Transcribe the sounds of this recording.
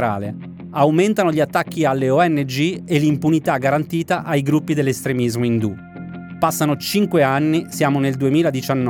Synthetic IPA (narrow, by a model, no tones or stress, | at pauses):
ɾa̰ːle | awment̪anoʎiat̪ːakːialːeɔɛnːed͡ʒielːimpunit̪aɡaɾant̪iːt̪aʔajɡɾupːid̪elːest̪ɾemizmoind̪u | pasːanot͡ʃiŋkweanːisjaːmoneld̪uemiːlad̪it͡ʃanːɔ